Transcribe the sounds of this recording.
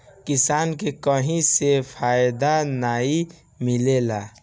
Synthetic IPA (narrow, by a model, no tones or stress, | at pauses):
kisankekəɦĩsepʰajd̪anai | milela